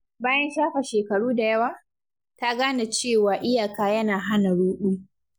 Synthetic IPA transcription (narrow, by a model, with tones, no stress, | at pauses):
baː˦jɐ˦nʃaː˦ɸa˨ʃeː˨kɐ˨ɽuː˦da˨jɐ˦waː˨ | ta˦ɡaː˦na˨t͡ʃeː˦˨waː˨ʔɪ˦jaː˨kaː˨jɐ˦naː˨ɦa˦na˨ɽuː˦ɗuː˦